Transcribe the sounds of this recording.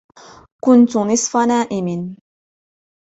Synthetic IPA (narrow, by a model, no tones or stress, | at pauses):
kʊnt̪ʊnɨsˤfanaːʔɪmɪn